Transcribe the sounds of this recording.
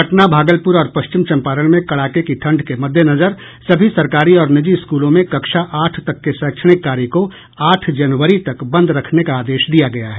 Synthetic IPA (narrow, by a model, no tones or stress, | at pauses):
ɐʈnabʱaːɡəlpʊɾɔːɾpɐʃt͡ʃɪmt͡ʃɐ̃mpaːɾəɽ̃mẽkɐɭaːkekiʈʰɐ̃ɳɖkemɐd̪ʱːjenɐzəɾ | sɐbʱisɐɾkaːɾiɔːɾnɪd͡ʒiɪskuːlõmẽkɐkʃaʔaːʈʰt̪ɐkːesɛ̃ːkʃʰəɽ̃ɪkːaːɾiko | aːʈʰd͡ʒɐnʋəɾit̪ɐkbɐ̃nd̪ɾɐkʰnekaaːd̪eːʃd̪ijaɡɐjaɦɛː